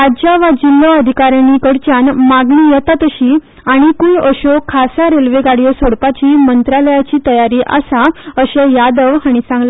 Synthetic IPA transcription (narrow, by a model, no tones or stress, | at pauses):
ad͡ʑjaʋad͡ʑilːoəd̪ʱikaɾjanikəɽt͡ɕanmaɡɳijɛt̪at̪əɕiː | aɽ̃ikujəɕokʰasaɾelʋeɡaɽijɔsoɽpat͡ɕiːmənt̪ɾaləjat͡ɕiːt̪əjaɾiːʔa̰saəɕɛ̃jad̪əʋaɽ̃isãŋɡla